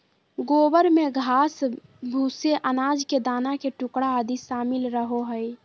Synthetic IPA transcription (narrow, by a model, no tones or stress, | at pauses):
ɡobəɾmeɡʱaːs | bʱuseʔənaːd͡ʒked̪aːnakeʈʊkɽaːd̪isaːmɪlɾəɦoɦəj